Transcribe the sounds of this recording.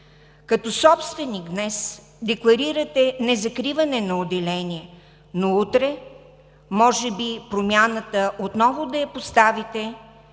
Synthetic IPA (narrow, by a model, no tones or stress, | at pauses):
kɐt̪ɔsɔpst̪vɛniɡd̪nɛs | d̪ɛklˠɐɾiɾət̪ɛnɛzɐkɾivɐnɛnɐod̪ɛlɛniɛ | nout̪ɾɛ | mɔʒɛbipɾomʲjanət̪əʔot̪nɔvʊd̪ɐjɐpost̪avit̪ɛ